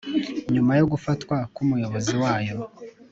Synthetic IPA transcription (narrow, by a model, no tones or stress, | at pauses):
ɲumajo̞ɡufatwakumujo̞βo̞ziwaːjo̞